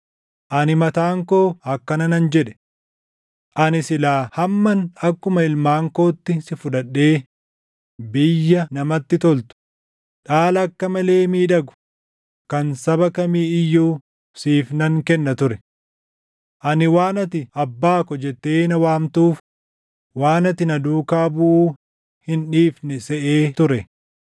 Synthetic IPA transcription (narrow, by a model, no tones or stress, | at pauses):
ʔɐnɪmɐt̪aːŋko̞ːɐkːɐnɐnɐnd͡ʒɛᶑɛ̥ | ʔɐnɪsɪlaːhɐmːɐnɐkːʊmɐɪlmaːŋko̞ːt̪ːɪsɪfʊᶑɐɗːe̞ː | bɪjːɐnɐmɐt̪ːɪt̪ɔlt̪ʊ̥ | ᶑaːlɐɐkːɐmɐle̞ːmiːᶑɐɡʊ̥ | kɐnsɐbɐkɐmiːɪjːuː | siːfnɐŋkɛnːɐt̪ʊɾɛ | ʔɐnɪwaːnɐt̪ɪɐbːaːkɔd͡ʒɛt̪ːe̞ːnɐwaːmt̪uːf | waːnɐt̪ɪnɐd̪uːkaːbʊʔuː | hɪnᶑiːfnɛsɛʔeːt̪ʊɾɛ